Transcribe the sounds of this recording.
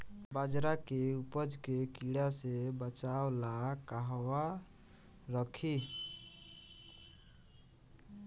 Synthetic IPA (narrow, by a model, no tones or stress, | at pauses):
bad͡ʒɾakeupəd͡ʒkekiɽasebət͡ʃaolakaɦwa | ɾəkʰi